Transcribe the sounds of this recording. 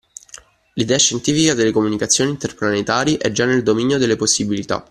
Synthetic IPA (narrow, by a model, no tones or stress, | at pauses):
lid̪ɛːaʃːent̪iːfikad̪elːekomunikat̪sːjoːniːnt̪erplanet̪aːɾjiʔɛd͡ʒanːeld̪ominjod̪elːeposːibilit̪a̰